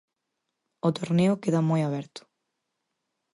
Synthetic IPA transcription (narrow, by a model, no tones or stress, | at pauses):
ʊt̪oɾneʊkeðamojaβɛɾt̪ʊ̥